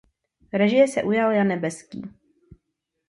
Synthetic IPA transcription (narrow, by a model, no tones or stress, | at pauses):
ɾɛʒɪjɛsɛʔujaljanɛbɛskḭː